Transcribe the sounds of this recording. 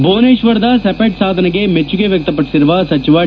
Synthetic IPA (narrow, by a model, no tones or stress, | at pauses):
boːneːʃʋəɾd̪aːsɛpeːʈsaːd̪nɐɡemet͡ʃukeʋjɐk̚t̪əpəʈsɪɾʋaːsɐt͡ʃɪʋaː